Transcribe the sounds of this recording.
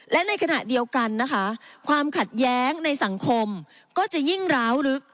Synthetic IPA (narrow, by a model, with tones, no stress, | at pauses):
lɛ˦˥na˧jkʰa˧na˨˩ʔdi˧əwka˧nːa˦˥kʰa˦˥kʰwaː˧mkʰa˨˩t̪̚jɛː˦˥ŋna˧jsa˩˦ŋkʰo˧m | kɔː˥˩t͡ɕa˨˩ji˥˩ŋɾaː˦˥wɾɯ˦˥k̚